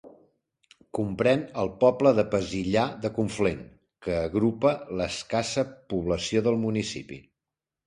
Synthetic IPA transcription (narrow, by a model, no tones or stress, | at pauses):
kumpɾɛnəlˠpɔpləðəpəziʎaðəkuɱfleŋ | kəːɣɾupələskasəpuβ̞ləsioðəlˠmunisḭpḭ